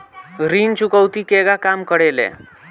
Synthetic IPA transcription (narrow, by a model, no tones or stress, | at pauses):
ɡɾiːnt͡ɕukəwt̪ikeɡakamkəɽelɛ̰